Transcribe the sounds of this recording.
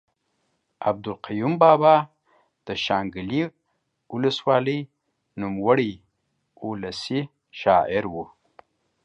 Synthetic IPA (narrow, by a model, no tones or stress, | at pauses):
ab̚d̪ʊlqajumbɑbɑ | d̪̥əʃɑːŋɡəli | ʊləswɑləj | numwaɽi | ulasi | ʃɑʔɪɾwu